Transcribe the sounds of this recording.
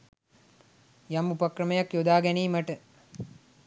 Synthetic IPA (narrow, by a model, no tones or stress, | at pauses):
jamupɐkrɐməjakjod̪aːɡɛniːmɐʈə